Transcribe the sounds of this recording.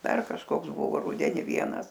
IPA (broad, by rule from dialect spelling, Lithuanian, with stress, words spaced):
ˈdɐr kɐʃˈkoːks ˈbʊʋoː ˈrʊdʲɛnʲɪ ˈʋʲiɛnɐs